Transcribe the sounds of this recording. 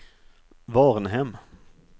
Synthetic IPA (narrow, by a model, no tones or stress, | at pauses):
ʋɑːʁnɦɛm